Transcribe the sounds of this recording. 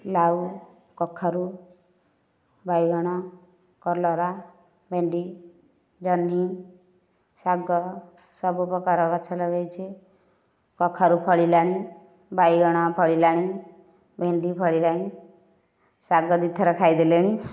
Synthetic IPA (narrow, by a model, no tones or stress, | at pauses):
lau | kɔkʰːaɾu | bajɡɔɽ̃ɔ | kɔɾlɔɾa | bʱeɳɖi | d͡ʒɔnːi | saɡɔ | sɔbupɔkaɾɔkɔt͡ʃʰalɔɡejt͡ʃʰe | kɔkʰːaɾupʰɔɭilaɽ̃i | bajɡɔɽ̃ɔpʰɔɭilaɽ̃i | bʱeɳɖipʰɔɭilaɽ̃ĩ | saɡɔd̪it̪ʰɔɾɔkʰajd̪eleɽ̃ĩ